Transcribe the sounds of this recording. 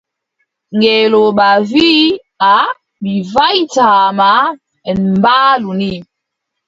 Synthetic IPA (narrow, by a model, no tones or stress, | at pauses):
ŋɡeloɓavi | a | ɓivaitaːma | ɛmbaːluni